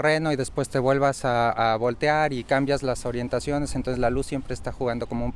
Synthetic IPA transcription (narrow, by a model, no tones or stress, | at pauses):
re̞no̞iðe̞spwe̞st̪eβwe̞lβasaːβo̞lt̪eaɾikambjazlaso̞ɾje̞nt̪asjo̞ne̞sent̪onsezlalusːje̞mpɾe̞ːst̪axuɣand̪o̞ko̞moum